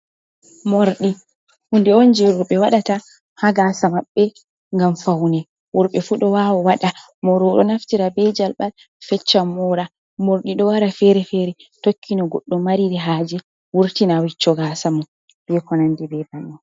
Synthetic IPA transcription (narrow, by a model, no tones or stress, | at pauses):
moɾɗi | hundɛond͡ʒɛwuɾɓɛwaɗata | haɡaːsamaɓːɛ | ŋɡamfawnɛ | wuɾɓɛfuɗɔwawɔwaɗa | mɔɾɔɗɔnaftiɾabɛd͡ʒalɓal | fɛt͡ʃːamɔɾa | moɾɗiɗɔwaɾafɛɾɛfɛɾɛtokːinɔɡɔɗːɔmmːaɾiɾɛɦad͡ʒɛ | wuɾtinawit͡ʃːɔɡaːsamɔ | bɛkɔnandɛbɛbanːɔ